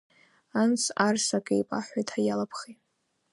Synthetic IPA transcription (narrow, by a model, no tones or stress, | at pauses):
ant͡sʰarsakʼejpʼaħʷajtʰʼħajalapʰχitʼ